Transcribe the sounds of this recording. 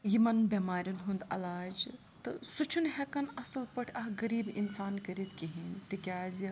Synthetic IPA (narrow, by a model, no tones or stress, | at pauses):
jimɐnbʲɐmaːɾʲjunɦund̪ɐ̰laːd͡ʒ | t̪ɨsut͡ʃʰunɦɛkɐnɐsɐlpɐʈʰʲɐɦɡɐɾiːbinsaːnkɐɾit̪kʲiɦint̪ikʲaːzi